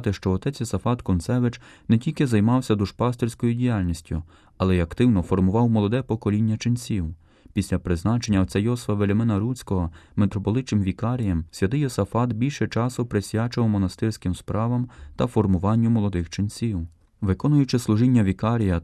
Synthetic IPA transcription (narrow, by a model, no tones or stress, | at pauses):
t̪ɪʃt͡ʃɔːt̪ɛt͡sʲjɔsɐfɑt̪kɔnsɛʋɪt͡ʃnɛtʲilʲkɪzɐjmɑwsʲɐd̪uʃpɑst̪irʲsʲkɔjʊdʲijalʲnʲisʲtʲjʊ̰ | ɐlˠɛjɐkt̪ɪwnɔfɔrmʊʋɑwmɔlˠɔd̪ɛpɔkɔlʲinʲːɐt͡ʃɪnʲsʲiw | pʲisʲlʲɐpɾɪznɑt͡ʃenʲːɐɔt͡sʲajɔsʋɐʋelʲɐmɪnɐɾut͡sʲkɔɦɔmet̪ɾɔpɔlˠɪt͡ʃ̪ɪmʋʲikɑɾʲijɐmsʲʋʲjʲɐt̪ɪjɔsɐfɑt̪bʲilʲʃɛt͡ʃɑsʊpɾesʲjat͡ʃɪwmɔnɐst̪ɪrsʲkɪmspɾʔɑʋɐmt̪ɐfɔrmʊʋɑnʲːʊmɔlˠɔd̪ɪxt͡ʃɪnʲsʲiw | ʋɪkɔnʊjʊt͡ʃɪslˠʊʒinʲːɐʋʲikɑɾʲijɐ